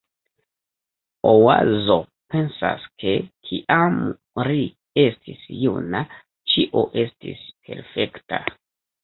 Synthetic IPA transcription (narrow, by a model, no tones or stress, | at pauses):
owa̰zo̞ | pe̞nsa̰skʰe̞kʰiʔam | ɾi | e̞stʰisjṵna | t͡ʃiʔo̞ʔe̞stḭspʰe̞̰ɾfe̞kta